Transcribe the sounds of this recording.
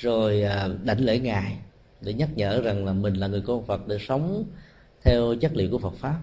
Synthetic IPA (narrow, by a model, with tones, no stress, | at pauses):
zo˨˩jːɗa̰˧˩jŋ̟le˧˩˦ŋaː˨˩j | ɗḛ˧˩˦ɲə˦˥t̚ɲə̰ː˧˥za˨˩ŋlaː˨˩mï˨˩ŋ̟laː˨˩ŋɨ˨˩əjkɔ˧nfə˨˩t̚ɗe˧˩˦sə˨˦wŋ͡m | t̪ʰɛ˧wzə˦˥t̚lḭ˧˨wku˧˩əfə˨˩t̚faː˦˥p̚